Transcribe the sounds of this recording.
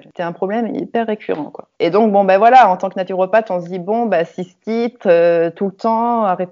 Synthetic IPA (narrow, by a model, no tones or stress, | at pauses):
set̪ɛɛ̃pχɔblɛmḭpɛʁːekʲʰy̰ʁɑ̃kwa̰ed̪ɔ̃k̚bɔ̃bavwalaɑ̃t̪ɑ̃knat̪yʁɔpat̪ɔ̃səd̪ibɔ̃basist̪it̪øt̪ult̪ɑ̃aʁɛt̪